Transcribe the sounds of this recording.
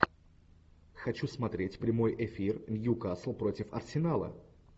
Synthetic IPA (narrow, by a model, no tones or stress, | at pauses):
xɐt͡ɕusmɐt̪ɾʲetʲpɾʲɪmo̞jʔɪfʲirnʲjukaslˠpɾotʲɪfɐ̰rsʲɪnalˠə̰